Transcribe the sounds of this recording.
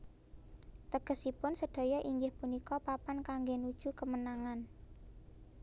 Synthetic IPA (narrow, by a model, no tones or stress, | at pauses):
t̪əɡ̥ə̤sipʊnsəɖ̪̥o̤jɔʔiŋɡɪhpunikɔpapankaŋɡenud̥ʒ̥ṳkəmənaŋan